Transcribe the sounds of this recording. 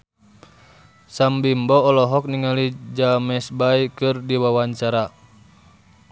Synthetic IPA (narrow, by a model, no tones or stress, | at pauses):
sambimbɔːlɔɦɔk̚niŋalid͡ʒamɛsbaikɨrdiwawaɲt͡ʃaɾa